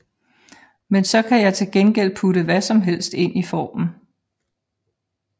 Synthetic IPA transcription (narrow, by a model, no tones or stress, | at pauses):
mensɒ̽kʰæjɑ̈ɪt͡sʰe̝lɡ̥enɡ̥el̰pʰuɾəʋæsɒ̽mɦel̰sd̥e̝n̰ifɒ̰ːmn̩